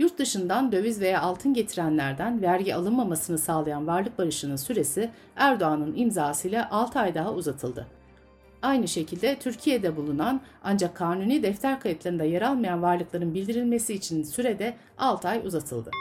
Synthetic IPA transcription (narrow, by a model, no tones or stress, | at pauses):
juɾt̪̚d̪ɯʃɯnd̪and̪ø̞vyzve̞jaalˠt̪ʰɯnɟe̞t̪ʰiɾænlʲæɾd̪ænvæɾɟialˠɯnmamasɯnɯsaːlˠajanvaɾlˠɯk̚baɾɯʃɯnɯnsyɾe̞si | æɾd̪oanɯnimzaːsɯjlʲaʔalˠt̪ʰajd̪aɦauzat̪ʰɯlˠd̪ɯ̰ | ajnɯʃe̞cʰilʲd̪ɛt̪ʰyɾcʰijed̪ɛbulˠunan | and͡ʒakʰːaːnuniːd̪ɛft̪ʰæɾkʰajɯt̪lˠaɾɯnd̪ajaɾalˠmajanvaɾlˠɯklˠaɾɯnbilʲd̪iɾilʲme̞siːt͡ʃʰinsyɾed̪ɛ | alˠt̪ʰajṵzat̪ʰɯ̰lˠd̪ɯ̰